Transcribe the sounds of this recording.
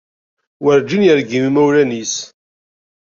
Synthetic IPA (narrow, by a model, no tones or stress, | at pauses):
wəɾd͡ʒinjəɾɡimimæwlænis